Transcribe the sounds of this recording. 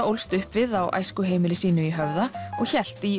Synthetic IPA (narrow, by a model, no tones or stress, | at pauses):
owlst̪ʏhpvɪðawʔa̰jskʏɦeːjmɪlɪsiːnʏiɦœvðaɔɣçɛl̥t̪i